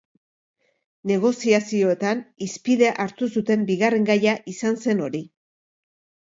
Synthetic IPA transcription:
ne̞ɣ̞o̞siasio̞e̞t̪anispiðe̞ʔaɾt̪usut̪e̞mbiɣare̞ŋɡajaʔisanse̞no̞ɾi

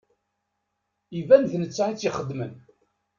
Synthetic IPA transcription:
ivænðnət͡sːait͡sːiχəd̪ːmən

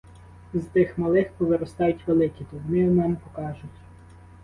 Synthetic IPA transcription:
zt̪ɪxmɐlˠɪxpɔʋeɾɔst̪ɑjʊtʲʋelˠɪkʲit̪ʊnɪɔmɛnɛpɔkɑʒʊtʲ

